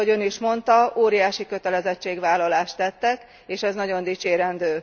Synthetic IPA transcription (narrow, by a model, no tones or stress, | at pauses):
oɟø̞niʃmo̞nt̪ɒoːɾijaːʃikø̞t̪ɛlɛzɛt͡ʃːeːɡʋaːlːɒlaːʃt̪ːɛt̪ːɛk | eːʃɛznɒɟo̞nd̪iːt͡ʃeːɾɛnd̪øː